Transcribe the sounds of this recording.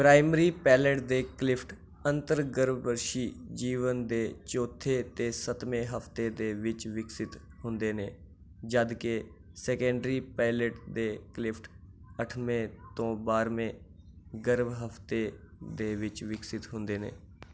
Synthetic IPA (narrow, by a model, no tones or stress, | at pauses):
pɾaːɪməɾiːpɛːləʈd̪eːklɪpʰʈ | ə̃nt̪əɾɡəɾʋbəɾʃiːd͡ʒiːʋənd̪eːt͡ʃoːt̪ʰːeːt̪eːsət̪mẽːɦəpt̪eːd̪eːʋɪt͡ʃʋɪksɪt̪ | ɦʊnd̪eːneː | d͡ʒəd̪ke | sɛːkɛ̃ːɳɖɾiːpaːɪləʈd̪eːklɪpʰʈ | əʈʰmẽːt̪õːbaːɾmẽː | ɡəɾʋɦəpt̪eː | d̪eːʋɪt͡ʃʋɪksɪt̪ɦʊnd̪eːnḛː